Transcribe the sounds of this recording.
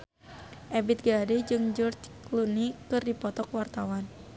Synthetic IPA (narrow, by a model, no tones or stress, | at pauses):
ʔɛbit̪̚ɡadid͡ʒɨŋd͡ʒɔrt͡ʃklunikɨrdipɔt̪ɔkwart̪awan